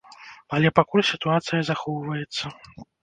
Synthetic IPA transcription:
alʲɛpakulʲsʲit̪uat̪sɨjɐzaxɔwvɐjɛt̪sːɐ

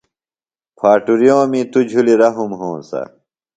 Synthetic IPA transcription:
pʰaːʈuɾjõːmĩt̪ud͡ʑʱuliɾɐɦumɦõːsɐ̰

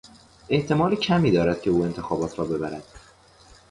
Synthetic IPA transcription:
e̞ht̪ʰe̞mɒːlicʰæmiːd̪ɒːɾæd̪̥̚cʲʰe̞uːe̞nt̪ʰe̞xɒːbɒːt̪ʰɾɒːbe̞bæɾæd̪̥

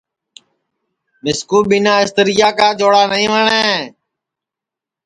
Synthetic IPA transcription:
mɪskuːɓinaːɪst̪əɾijaːkaːd͡ʒoːɽaːnəĩːʋəɳẽː

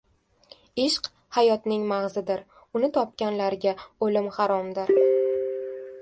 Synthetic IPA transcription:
ɪʃq | hajɒt̪nɪŋmaʁzɪd̪ɪɾ | ʊnɪt̪ʰɒp̚kʲanlaɾɡʲaolɪmhaɾɒmd̪ɪɾ

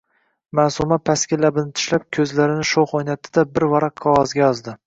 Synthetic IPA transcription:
masumapʰaskʲɪlabɪnɪt̪ʰʊ̥ʃlap̚kʲʰɵzlaɾɪnɪʃoχojnat̪ʰɪd̪abɪɾvaɾaqʰːɒwɒzɡʲajɒzd̪ɪ

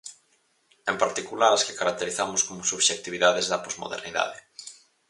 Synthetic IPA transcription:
empaɾt̪ikulaɾaske̥kaɾak̚t̪eɾiθamʊskomosuβʃek̚t̪iβiðaðezðɐpozmo̰ðḛɾniða̰ðe

